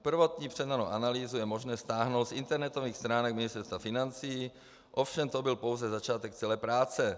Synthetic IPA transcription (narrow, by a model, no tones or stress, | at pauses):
pr̩vo̞t̪ɲiːpr̝̥ɛdanowʔanaliːzujɛmoʒnɛːst̪aːɦnowt̪sʔɪnt̪ɛɾnɛt̪oviːxst̪ɾaːnɛkmɪnɪst̪ɛɾst̪vafɪnant͡siː | ʔofʃɛmt̪obɪlpo̞wzɛzat͡ʃaːt̪ɛkt͡sɛlɛːpɾaːt͡sɛ